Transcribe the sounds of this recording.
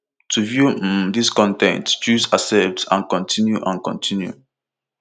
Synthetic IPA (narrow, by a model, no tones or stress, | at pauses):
tʰuvjudiskɔ̃ntɛ̰̃ntt͡ʃuzasɛzã̰nkɔ̃ntʰĩnjuʔãnkɔ̰̃ntʰĩnjṵ